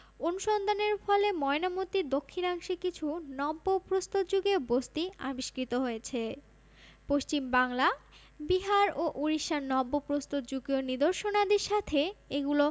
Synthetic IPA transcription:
onuʃɔnd̪aneɾfɔlemɔenamot̪iɾd̪okʰːinaŋʃekit͡ɕʰunɔbːopɾost̪ot̪̚d͡ʑuɡebost̪ia̰biʃkɾit̪oɦojet͡ɕʰe | poʃt͡ɕimbaŋla | biɦaɾoʔuɾiʃanɔbːopɾost̪ot̪d͡ʑuɡionid̪oɾʃonad̪eɾʃat̪ʰeeɡulo

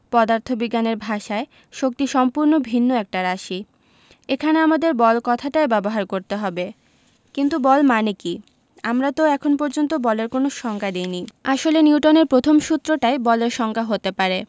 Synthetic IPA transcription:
pɔd̪aɾt̪ʰobiɡaneɾbʱaʃae | ʃok̚t̪iʃɔmpuɾnobʱinːoɛk̚ʈaɾaʃi | ekʰaneamad̪eɾbɔlkɔt̪ʰaʈaebɛboɦaɾkoɾt̪eɦɔbe | kint̪ubɔlmaneki | amɾat̪oɛkʰonpɔɾd͡ʑont̪obɔleɾkonoʃɔŋkʰad̪ejniaʃoleniuʈoneɾpɾot̪ʰomʃut̪ːɾoʈaebɔleɾʃɔŋkʰaɦot̪epaɾe

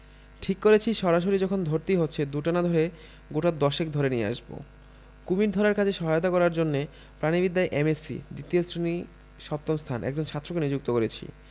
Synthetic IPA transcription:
ʈʰikːoɾet͡ɕʰiʃɔɾaʃ̬oɾid͡ʑɔkʰond̪ʱoɾt̪iɦotːɕʰed̪uʈanad̪ʱoɾe | ɡoʈad̪ɔʃek̚d̪ʱoɾenijḛa̰ʃbo̰ | kumiɾd̪ʱɔɾaɾkat͡ɕʰeʃɔɦajot̪̬akɔɾaɾd͡ʑonːe | pɾanibid̪ːaeʔemesḭd̪it̪iosʰɾeni | ʃɔp̚t̪omst̪ʰanʔɛ̰kd͡ʑonʃʰat̪ːɾokenid͡ʑuk̚t̪okoɾet͡ɕʰḭ

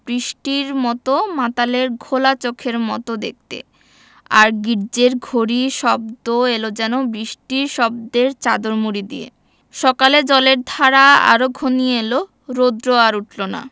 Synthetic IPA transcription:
bɾiʃʈiɾmɔt̪omat̪aleɾɡʱolat͡ɕokʰeɾmɔ̰t̪od̪ḛk̚t̪ḛ | a̰ɾɡiɾd͡ʑeɾɡʱoɾiʃɔb̚d̪oelod͡ʑɛnobɾiʃʈiɾʃɔb̚d̪eɾt͡ɕad̪oɾmuɾid̪iḛ | ʃɔkaled͡ʑɔleɾd̪ʱaɾaa̰ɾoɡʱonielo | ɾod̪ɾoaɾuʈʰlona̰

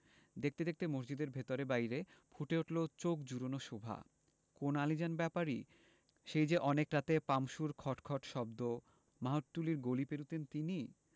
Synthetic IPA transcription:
d̪ek̚t̪ed̪ek̚t̪emoɾd͡ʑid̪eɾbʱet̪oɾebajɾefʰuʈeoʈlot͡ɕokd͡ʑuɾonoʃobʱa̰ | konalid͡ʑanbɛpaɾi | ʃejd͡ʑeʔɔnekɾat̪epamʃuɾkʰɔʈkʰɔʈʃɔbd̪o | maɦoʈʈuliɾɡolipeɾut̪ent̪ini

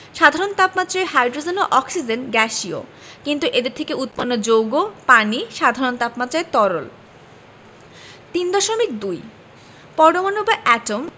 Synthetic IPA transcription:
ʃad̪ʱaɾont̪apmat̪ːɾaeɦajɖɾod͡ʑenoʔɔksid͡ʑenɡɛʃio̰ | kint̪uʔed̪eɾt̪ʰekeut̪panːod͡ʑowɡopaniʃad̪ʱaɾont̪apmat̪ːɾaet̪ɔɾo̰l | t̪ind̪ɔʃomik̚d̪uj | pɔɾɖomonobaʔɛʈom

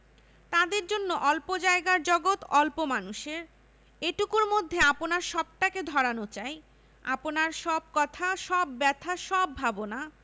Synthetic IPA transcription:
t̪ad̪eɾd͡ʑonːoʔɔlpod͡ʑaeɡaɾd͡ʑɔɡot̪ɔlpomanuʃeɾ | eʈukuɾmod̪ʱːeaponaɾʃɔb̚ʈaked̪ʱɔɾanot͡ɕae | a̰ponaɾʃɔb̚kɔt̪ʰaʃɔbːɛt̪ʰaʃɔbːʱabona

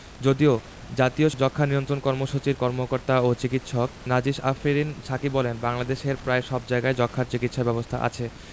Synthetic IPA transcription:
d͡ʑod̪io | d͡ʑat̪iod͡ʑɔkʰːanijont̪ɾonkɔɾmoʃut͡ɕiɾkɔɾmokoɾt̪aot͡ɕikit̪ʃɔk̚nad͡ʑiʃafiɾinʃakibɔlenbaŋlad̪eʃeɾpɾaeʃɔb̚d͡ʑaeɡaed͡ʑɔkʰːaɾt͡ɕikit̪ʃabɛbost̪ʰaʔa̰t͡ɕʰe

